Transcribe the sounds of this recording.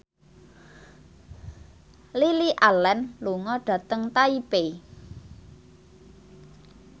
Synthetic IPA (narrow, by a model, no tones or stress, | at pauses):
liliʔalɛnluŋɔɖ̥ä̤t̪əŋt̪aipe